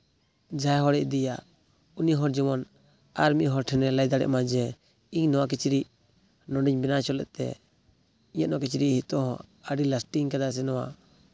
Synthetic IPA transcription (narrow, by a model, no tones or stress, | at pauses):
d͡ʒajɦɔɽɛʔd̪ɛjaʔ | uniɦɔɾd͡ʒimɔn | aɾmiʔɦɔɾʈʰɛnɛlajd̪aɽɛ̰ʔmad͡ʒɛ | iɲnɔwak̬it͡ʃɾi | nɔɖiɲbɛnat͡ʃɔlɛ̰ʔt̪ɛ̰ | iɲanɔkit͡ʃɾihit̪ɔɦɔ̰̃əɖilasʈiŋkad̪as̬ɛnɔwa